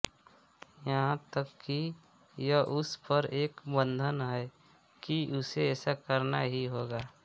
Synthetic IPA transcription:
jɐɦãt̪əkːi | jəʔʊspəɾeːkbə̃nd̪ʱənɦɛ | kiʔʊseɛːsakəɾnaɦiɦoːɡaː

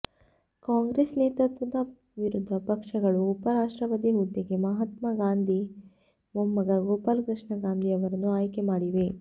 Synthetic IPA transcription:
kaːŋɡɾeːsneːt̪ɾɐt̪ʋɐd̪ɐ | ʋiɾud̪ʱːɐpɐkʂɐɡɐɭuːpɐɾaːʂʈɾɐʋɐt̪iɦud̪ːiɡe̞mɐɦɐt̪mɐɡaːnd̪ʱi | momːɐɡɐɡoːpaːlkɾɨʂɳɐɡaːnd̪ʱiɐʋɐɾɐnːuaːjkemaːɽiʋe̞

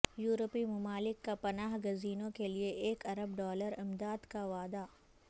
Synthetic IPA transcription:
juːɾopimʊmaːlɪkːapɐnaːɦɡɐziːnõkelieʔeːkɐɾəbɖɔːləɾɪmd̪aːd̪kaʋaːd̪a

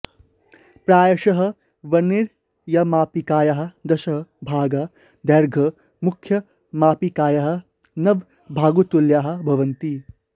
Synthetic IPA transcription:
pɾaːjɐʂɐɦɐ̆ | ʋɐniɾ | jɐmaːpikaːjɐɦɐ̆d̪ɐʃɐɦɐbʱaːɡɐ | d̪ɐɾɡʱɐ | mukʰjɐ | maːpikaːjɐɦɐ̆ | nɐʋ | bʱaːɡut̪uljaːɦɐ̆bʱɐʋɐnt̪i

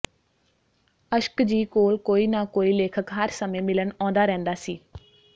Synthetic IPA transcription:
əʃkd͡ʒiːkoːlkoːiːnaːkoːiːleːkʰəkɦəɾsəmẽːmɪləɳɔ̃ːnd̪aːɾɛ̃ːnd̪aːsiː

